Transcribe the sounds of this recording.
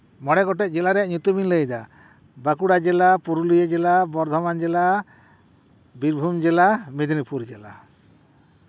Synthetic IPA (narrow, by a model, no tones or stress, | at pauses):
mɔɽɛɡɔʈɛˀd͡ʒɛlaɾɛaʔɲut̪ubʱinləjd̪a | bakuɽad͡ʒɛlapuɾulijed͡ʒɛlabɔɾd̪ʱɔmand͡ʒɛla | biɾbʱumd͡ʒɛlamed̪nipuɾd͡ʒɛla